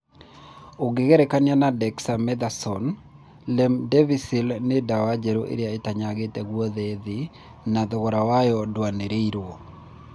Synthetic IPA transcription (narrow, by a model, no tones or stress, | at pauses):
oɡɪɡɛɾɛkanjanadɛksamɛd̪asɔn | lɛmdɛvisilnɪdawad͡ʒeɾoʔḛɾjaetaɲaɡetɛɡwɔðeðɪ | nad̪ɔɣɔɾawajɔdwaneɾeiɾo